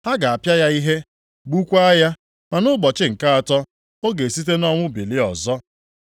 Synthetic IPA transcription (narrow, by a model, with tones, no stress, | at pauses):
ha˦ɡa˨a˨pja˦ja˦i˦ɦe˦ | ɡ͡bu˦kʷa˦a˦ja˦ | ma˨nʊ˦ɡ͡bɔ˨t͡ʃɪ˦ŋ̩˨ka˦a˨tɔ˦ | o˦ɡe˨si˦t̬e˦nɔ˦ŋʷʊ˦bi˨lɪ˦ɔ˨zɔ˦